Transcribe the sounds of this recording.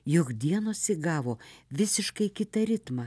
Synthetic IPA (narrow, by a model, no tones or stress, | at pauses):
jʊkd̪ʲiɛnoːsʲɪɡɑːʋoːʋʲɪsʲɪʃkɐɪkʲɪt̪ɐɾʲɪt̪mɐ